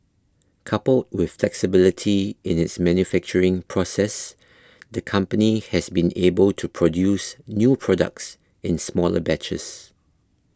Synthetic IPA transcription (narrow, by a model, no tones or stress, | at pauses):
kʰapəld̚wɪð̥flɛksɪbɪlɪtʰiɪ̃nɪtsmɛ̃njufɛk̚t͡ʃəɹɪ̃ŋpʰɹɔsɛs | dəkʰʌ̃mpənihɛsbĩnebəltʰupʰɹɔdjusnjupʰɹɔdə̰k̚s | ɪ̃nsmɔlə̰bɛt͡ʃə̰s